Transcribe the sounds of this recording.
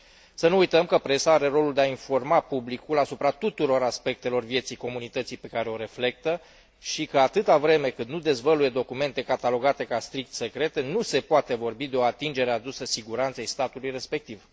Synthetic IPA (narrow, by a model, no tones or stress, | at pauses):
sənuujt̪əmkəpɾe̞saaɾe̞ro̞luld̪eainfo̞rmapublikulasupɾat̪ut̪uɾo̞ɾaspe̞k̚t̪e̞lo̞rvje̞t̪sijko̞munit̪ət̪sijpe̞kaɾe̞o̞ɾe̞fle̞k̚t̪ə | ʃikəat̪ɨt̪avɾe̞me̞kɨnd̪nud̪e̞zvəluje̞d̪o̞kume̞nt̪e̞kat̪alo̞ɡat̪e̞kast̪ɾik̚t̪se̞kɾe̞t̪e̞nuse̞poat̪e̞vo̞rbid̪e̞o̞at̪ind͡ʒe̞ɾe̞ad̪usəsiɡuɾant̪sejst̪at̪ulujre̞spe̞k̚t̪iv